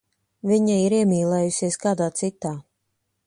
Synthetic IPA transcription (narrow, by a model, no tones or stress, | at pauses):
viɲaiɾiɛmʲiːlˠɛːjusiɛskaːd̪aːt̪sit̪aː